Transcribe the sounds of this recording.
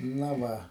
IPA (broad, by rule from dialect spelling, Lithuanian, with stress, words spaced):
ˈnɐ ˈʋɐ